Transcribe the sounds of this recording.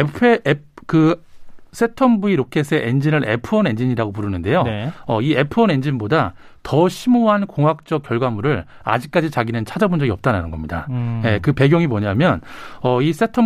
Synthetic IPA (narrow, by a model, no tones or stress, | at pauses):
pʰekɯ | s͈ʰe̞tʰʌmbuiɾokʰe̞sʰe̞ʔend͡ʑinɯɾʔe̞̰pʰɯʌne̞nd͡ʑiɲiɾaɡopuɾɯnɯnde̞joʌie̞pʰɯʌne̞nd͡ʑinboda | tʌɕʰimoɦankoŋɦak̚t͡ɕ͈ʌk̚k͈jʌɭɡwamuɾɯɾ | a̰d͡ʑik̚k͈ad͡ʑit͡ɕaɡinɯnt͡ɕʰad͡ʑʌbund͡ʑʌɡiʌp̚t͈ananɯnɡʌmɲida̰je̞kɯpe̞ɡjʌŋimʌɲamjʌnʌis͈ʰe̞tʰʌ